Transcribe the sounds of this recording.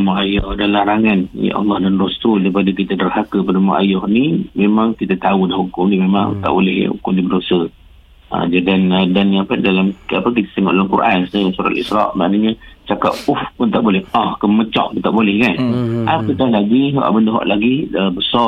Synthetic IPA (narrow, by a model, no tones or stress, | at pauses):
maajɔhdalaɾaŋanjə̰ʔɑ̰lːɑhdanɾɔst̪ɾuld̪əpadəkit̪adərɦakəpadəmaʔa̰jɔhnimemaŋkit̪ət̪audahukʊmnimemaŋt̪a̰ʔbolɛhṵkʊmdibədosə | ʔa̰d͡ʒadandanapdalamapək̬it̪ḁt̪əŋɔʔdalamkṵɾʔansajasuɾa̰t̪lḭsɾɑʔma̰ʔnəɲət͡ʃaka̰p̚ufunt̪aʔbolɛhɔhkəmət͡ʃɔ̰ʔkit̪aʔbolɛhkanʔapəkahlaɡiɦɔ̰ʔbəndəɦɔ̰ʔlaɡiəbəsɔ